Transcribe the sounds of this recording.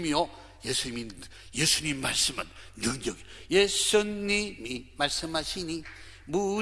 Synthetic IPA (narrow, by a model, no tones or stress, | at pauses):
mijo | jesʰuɲimi | jesʰuɲimimaɭsɯmannuɲʌɡijesuimimaɭsɯmhaɕʰini | mu